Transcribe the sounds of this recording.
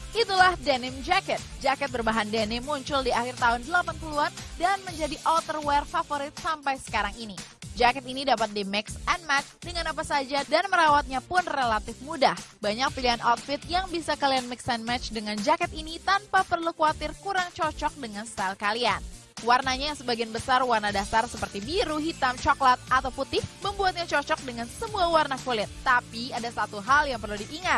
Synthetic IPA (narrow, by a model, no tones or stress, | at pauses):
ʔit̪ulahdɛnɪmd͡ʒakət̪̚d͡ʒakɛt̪̚bərbaɦandenɛmuɲt͡ʃʊldiahɪrt̪aɦʊndəlapanpuluandanməɲd͡ʒadiʔɔlt̪ərwɛrfafoɾɪt̪̚sampajsə̥kaɾaŋinid͡ʒakɛt̪inidapat̪̚dimɛksɛnmɛt͡ʃdəŋanapasad͡ʒadanməɾawat̪̚ɲapʊnrelat̪ɪfmudahbaɲak̚piliɦanʔat̪̚fɪt̪̚jaŋbisakalianmɛksɛnmɛt͡ʃdəŋand͡ʒakɛt̪init̪anpapərlukuat̪ɪrkuɾaŋt͡ʃɔt͡ʃɔk̚dəŋanst̪alkalian | warnaɲajaŋsəbaɡianbəsarwarnadasarsəpərt̪ibiɾuɦit̪amt͡ʃɔklət̪̚at̪awput̪ɪhməmbuat̪̚ɲat͡ʃɔt͡ʃɔk̚dəŋansəmuawarnakulɪt̪ːapiadasat̪uɦaljaŋpərludiʔːŋat̪̚